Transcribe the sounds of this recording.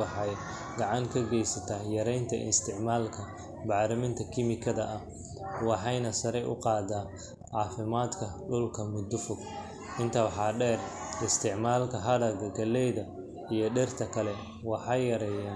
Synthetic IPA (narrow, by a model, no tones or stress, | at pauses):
ɑħɑj | ɡɑʕɑŋkʰɐɡɛjsɐt̪ʰɐhjɐɾɛjnt̪ʰɐ̰ʔɪ̰st̪ʰɪʕmaːlkʰɐ | bɑʕɾɐmɪnt̪ʰɐkʰɪmɪkʰɐðɐʔɐh | wɑħɑjnɐsɐɾɛjʔʊ̰qɑːd̪aː | ʕɑːfɪmaːd̪kʰɐɖʊlkʰɐmʊd̪ʊfʊɡ | ʔɪnt̪ʰɐħɑːɖɛːrɪst̪ʰɪʕmaːlkʰɐɦɐðɐɡɐɡɐlːɛjðɐ | ijɞɖɛrt̪ʰɐkʰɐlɛ | wɑħɑjjɐɾɛjaːn